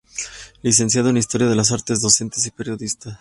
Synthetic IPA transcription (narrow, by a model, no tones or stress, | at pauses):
lis̬e̞ns̬jaðoenais̬t̪o̞ɾjaðe̞las̬aɾt̪e̞zðo̞se̞nt̪e̞s̬ipe̞ɾjo̞ðist̪as